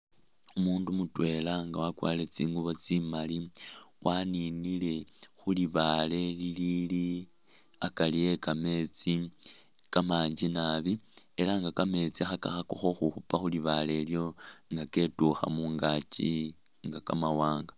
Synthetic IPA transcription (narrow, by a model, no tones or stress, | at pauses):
umuːndumutwe̞laŋɡawakwa̰ːle̞t͡siːŋɡuβo̞t͡simaliwʔaninile̞xuliβale̞lilili | akalije̞kame̞t͡si | kamaːɲd͡ʒinaβielaŋɡakame̞t͡siaxaka̰xakoxo̞xuxupaxuliβale̞ːljo̞ŋɡake̞tuxa̰muːŋɡat͡ʃi | ŋɡakamawaːŋɡa